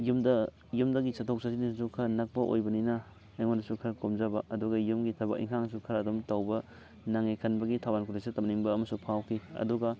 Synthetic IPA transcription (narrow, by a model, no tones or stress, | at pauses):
jumdɐ | jumdɐɡisɐtʰok̚sɐsinissukʰɐnɐk̚pɐʔo̰jbɐninɐː | jŋondɐsukʰɐɾkomzɐbɐʔɐduɡɐjumɡitʰɐbɐkḭŋkʰaŋs̬ukʰɐɾɐːdumtɐwbɐ | naŋijkʰɐnbɐɡitʰawbankʰuɾisitɐmniŋbɐːmɐsupʰawkʰiɐ̰duɡɐ